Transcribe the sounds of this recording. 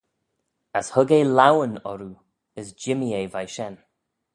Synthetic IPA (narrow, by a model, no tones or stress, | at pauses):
əshʊɡeːlawənɔɾu | əzd͡ʒɪmieːvajʃɛn